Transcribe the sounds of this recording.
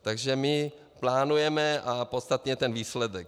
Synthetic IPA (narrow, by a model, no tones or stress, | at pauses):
t̪aɡʒɛmɪ | plaːnujɛmɛapo̞t̪st̪at̪ɲɛt̪ɛnviːslɛdɛk